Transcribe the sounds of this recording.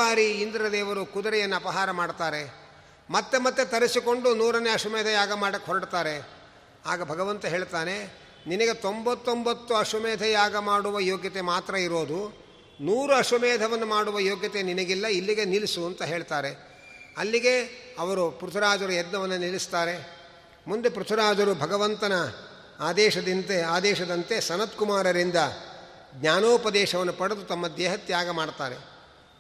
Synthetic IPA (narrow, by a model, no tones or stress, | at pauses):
aːɾiːnd̪ɾiɾɐd̪ɛːʋɐɾukud̪ɐɾɛjɐnːɐɐpɐɦaːɾɐmaːɖt̪aːɾe | mɐt̪ːemɐt̪ːet̪ɐɾisiko̞ɳɖunuːɾɐneɐʂumɛːd̪ʱɐjaːɡɐmaːɽɐkːɦɔɾɐɖt̪aːɾe̞ | aːɡɐbʱɐɡɐʋɐnt̪ɐɦeːɭt̪aːne̞ | ninɐɡe̞t̪o̞mbɐt̪ːombɐt̪ːuɐʂɐmɛːd̪ʱɐjaːɡɐmaːɽuʋɐjoːɡjɐt̪e̞maːt̪ɾɐiɾo̞ːd̪u | nuːɾuɐʂɐmɛːd̪ʱɐʋɐnːumaːɽuʋɐjoːɡjɐt̪eninɐɡilːɐilːiɡe̞nilisuɐnt̪ɐɦe̞ːɭt̪aːɾe̞ | ɐlːiɡe̞ɐʋɐɾupɾut̪ʰɐɾaːd͡ʒɐɾujɛd̪nɐʋɐnːunilist̪aːɾe̞ | mund̪e̞pɾut̪ʰɐɾaːd͡ʒɐɾubʱɐɡɐʋɐnt̪ɐnɐ | aːd̪ɛːʃɐd̪int̪eaːd̪ɛːʃɐd̪ɐnt̪e̞sɐnɐt̪kumaːɾɐɾind̪ɐ | ɡɲaːnoːpɐd̪ɛːʃɐʋɐnːupɐɽɐd̪ut̪ɐmːɐd̪ɛːɦɐt̪jaːɡɐmaːɽt̪aːɾe̞